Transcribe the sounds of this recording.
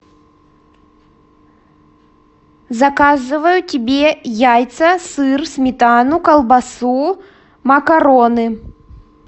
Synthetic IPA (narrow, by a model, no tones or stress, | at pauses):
zɐkazɨvɐjut͡sʲabʲɛjajt̪sɐsɨrsʲmʲit̪anukɐlˠbasu | mɐkaɾɔnɨ